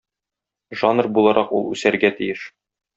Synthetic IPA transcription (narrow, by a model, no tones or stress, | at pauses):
ʒɑnrbulˠɑɾʔɑqulˠʉsæɾɡæt̪ijɘʃ